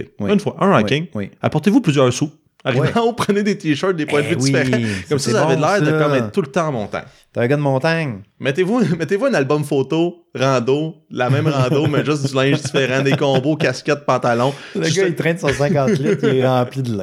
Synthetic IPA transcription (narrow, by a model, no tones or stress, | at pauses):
ewynfwaʔə̃ʁɑkɪŋwia̰pɔʁt̪evuplyzjœːʁsu | aʁiivãupʁəned̪et̪iʃɜ˞t̪̚d̪epwɛ̃d̪əvyw̪ifeʁãkɔmsizaavɛd̪əlɛːʁd̪əkɔ̃mɛt̪̚t̪ːult̪ãmɔ̃ːt̪a̰ɲt̪ɛ̃ɡʌd̪əmɔ̃ːt̪aɲmɛt̪evumɛt̪evuɛ̃ːnalbɔmfot̪oʁɑ̃ːd̪olamɛ̃ɪ̃mʁɑ̃ːd̪omɛʒʏsdzylɛ̃ɪ̃ʒdd͡zifeʁãd̪ekɔ̃ːbokʲaskʲɛt̪̚pɑ̃t̪alɔ̃ləɡʌit̪ʁɛ̃səʁsɛ̃kɑ̃ːt̪lɪiʁɑ̃ːplid̪əlɛ